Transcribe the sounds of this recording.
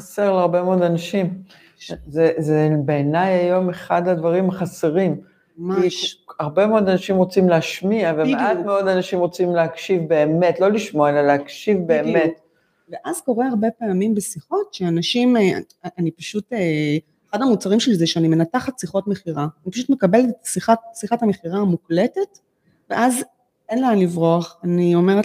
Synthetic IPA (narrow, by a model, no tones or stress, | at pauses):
aseʁleaʁbemeod̪anaʃim | zezebeːnajajo̞meχad̪ad̪vaʁimaχaseʁim | maʃaʁbemeod̪anaʃimʁo̞t͡simleaʃmiavemeatmeo̞d̪anaʃimʁo̞t͡simleakʃivbe̞ːme̞tlo̞liʃmoaelaleakʃivbeːmet | veʔazko̞ʁeaʁbe̞peamimbesiχo̞tʃeanaʃim̰ | ʔanipaʃute | eχadamut͡saʁimʃelizeʃeanime̞nataχatsiχo̞tme̞χiʁanipaʃutme̞kabeltsiχasiχathameχiʁamukletet | veʔaz | enleanlivʁoaχanio̞meʁet